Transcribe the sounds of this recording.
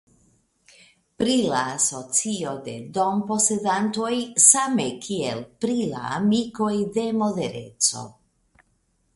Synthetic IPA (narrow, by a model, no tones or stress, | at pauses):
pɾilaːso̞t͡sio̞de̞̰do̞mpo̞se̞danto̞jsame̞kʰielpɾila̰ːmiko̞jde̞mo̞de̞ɾe̞̰t͡so̞̰